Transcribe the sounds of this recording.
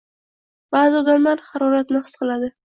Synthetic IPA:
b̥aːzɪɒd̪amlaɾhɑɾɒɾat̪nɪɨ̥sqʰɨlˠad̪ɪ

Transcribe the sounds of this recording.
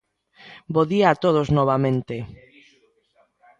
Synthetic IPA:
boðiaːt̪oð̞oznɔβ̞amẽnt̪e

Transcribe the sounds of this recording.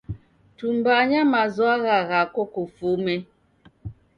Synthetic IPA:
tumbaɲamazɔaɣaɣakɔkofomɛ

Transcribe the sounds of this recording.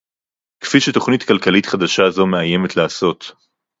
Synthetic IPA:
kfiʃeto̞χnitkalkalit̪χad̪aʃazo̞meaje̞me̞t̪laːso̞t̪

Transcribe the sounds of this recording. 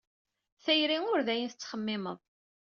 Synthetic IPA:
θæjɾiŋʊɾðæjənθt͡sːχəmːɪməðˤ

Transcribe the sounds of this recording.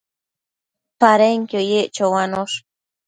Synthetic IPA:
paɾeŋkojeʔt͡ʃowanoʃ

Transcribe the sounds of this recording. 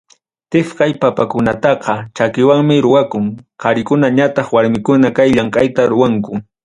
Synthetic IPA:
t̪ɪfkajpapakʊnat̪ɑqɑt͡ʃakɪwaŋmɪɾʊwakʊŋqɑɾɪkʊnaɲat̪ɑχwaɾmɪkʊnakajʎaŋkʼajt̪aɾʊwaŋkʊ

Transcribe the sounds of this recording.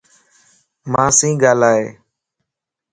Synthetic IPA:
mãːsĩːɡaːlaːɦeː

